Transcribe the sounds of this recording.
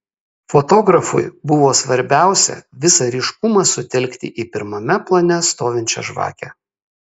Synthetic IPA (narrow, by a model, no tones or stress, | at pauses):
foːt̪oːɡɾɐfʊjbʊʋoːsʋɐɾʲbʲæˑʊsʲɛ̰ʋʲɪsɐɾʲɪːʃkʊmɑsʊt̪ʲɛlʲkʲt̪ʲɪ̰ʔiːpʲɪɾmɐmʲɛplˠɐnʲɛst̪oːʋʲɪnʲt͡ʃʲɛ̰ʒʋɑ̰ːkʲɛ̰